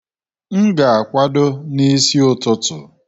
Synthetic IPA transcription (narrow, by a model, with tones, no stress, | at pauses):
ŋ̩˦ɡa˨a˨kʷa˦dʊ˦ni˦si˦ʊ˨tʊ˦tʊ˨